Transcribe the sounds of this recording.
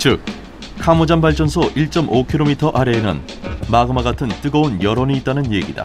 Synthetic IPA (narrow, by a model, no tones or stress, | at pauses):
t͡ɕɯk̚ | kʰamod͡ʑanbaɭt͡ɕ͈ʌnsʰʌʔiɭt͡ɕ͈ʌmokʰiɾomitʰʌʔaɾe̞nɯ̰n | maɡɯmaɡatʰɯnt͈ɯɡʌonjʌɾʌniːt͈̚anɯnje̞ɡida̰